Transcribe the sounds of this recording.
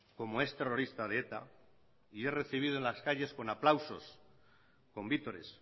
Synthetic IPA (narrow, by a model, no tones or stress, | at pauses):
ko̞mo̞e̞st̪e̞ro̞ɾist̪að̞eet̪a̰ | ie̞re̞θiβ̞iðoenlaskaʎe̞sko̞naplawso̞s | ko̞mbit̪o̞ɾe̞̰s